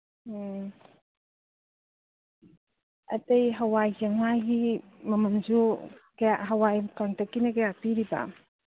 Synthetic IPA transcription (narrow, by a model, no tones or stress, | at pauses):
ɐ̰tejɦɐwajzɐŋajɡimɐmɐmd͡ʒuɡjaɦɐwajkaŋtakːinɐkajak̚tiɾiba̰